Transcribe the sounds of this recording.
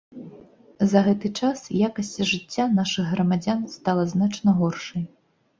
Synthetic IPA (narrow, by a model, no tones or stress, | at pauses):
zɐɣɛt̪ɨt͡ʂasjakɐsʲt͡sʲiʐɨt͡sʲːanaʂɨɣɣɾɐmad͡zʲanst̪alˠɐznat͡ʂnɐɣɔrʂɐj